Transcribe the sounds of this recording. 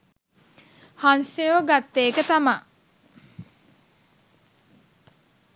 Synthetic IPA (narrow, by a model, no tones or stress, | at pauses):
hansejoɡat̪ːeːkət̪ɐma